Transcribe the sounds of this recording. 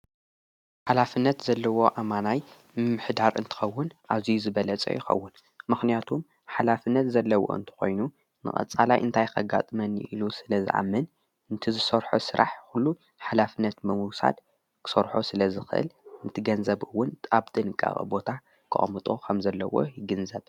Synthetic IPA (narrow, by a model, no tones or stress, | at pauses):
ħalafɨnːɐt̪zɐlːɐwo̞ʔamanaj | mɨmːɨħd̪aɾʔɨ̰nt̪ʰɨ̥xɐwːʊnʔazijuzɨbɐlɐt͡sʼɐ̰jɪxɐ̰wːʊn | mɨxnijat̪ʰum | ħalafɨnːɐt̪zɐlːɐwo̞̰ʔɨ̰nt̪ʰɨ̥xo̞̰jnu | nɨ̰χʼɐ̰t͡sʼalajʔɨnt̪ʰajkʰɐɡa̰t̪ʼɨmɐnʔilusɨlɐzɨ̰ʔa̰mːɐn | ɨnt̪ʰizɨsɐɾħosɨɾʔa̰ħkulːu | ħalafɨnːɐt̪mɐmuwsa̰d̪ | kʰɨ̥sɐɾħosɨlɐzɨxɨʔɨ̰lɨnt̪ʰɨɡɐnzɐbɨwːʊnt̪ʼabt̪ʼɨnɨkʼa̰χʼɨ̰bo̞t̪ʰa | kʰɨ̰ʔʼɐmɨt̪ʼokʰɐmzɐlːɐ̰wo̞̰jɪɡɨnzɐb